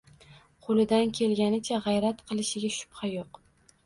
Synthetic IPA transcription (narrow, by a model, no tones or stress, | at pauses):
qʰolˠɪd̪ankʲʰe̞lɡʲanɪt͡ʃʰaʁɑjɾat̪qʰɨlˠɪʃɪɡʲaʃʊ̥pχɑjoq